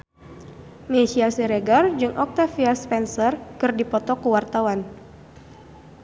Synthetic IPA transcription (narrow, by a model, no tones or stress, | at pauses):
mɛsiasɛɾeɡard͡ʒɨŋʔɔk̚t̪afiaspɛnsərkɨrdipɔt̪ɔkuwart̪awan